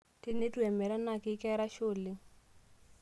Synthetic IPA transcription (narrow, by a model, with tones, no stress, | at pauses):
tɪ˦ne˦tʼu˦ɛ˨mɛ˨ɾa˦na˨kɪ˦kʼɛ˦ɾa˦ʃʊ˨lɪ˦